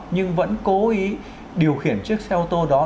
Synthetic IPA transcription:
ɲɨ˧ŋvə̰˧˥nko˨˦ʔi˨˦ | ɗi˨˩əwxi˧˩ənt͡ɕɨ˦˥ək̚sɛ˧wt̪o˧ɗɔ˨˦

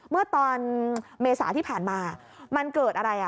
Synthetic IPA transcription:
mɯ˥˩ɐt̪ɔː˧nmeː˧sa̰ː˩˦t̪ʰiː˥˩pʰaː˨˩nmaː˧˨˩ | ma˧nkɤː˨˩t̪̚ʔa˧ɾa˧jʔa˨˩

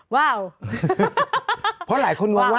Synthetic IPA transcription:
waː˥˩w | pʰɔ˦˥laː˩˦jkʰo˧nwu˧wa˥

